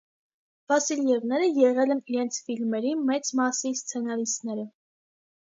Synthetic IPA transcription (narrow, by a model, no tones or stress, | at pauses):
v̥ɑsiljɛvnɛɾəjɛʁɛlɛniɾɛnt͡sʰfilmɛɾimɛt͡smɑsist͡sʰɛnɑlisnɛɾə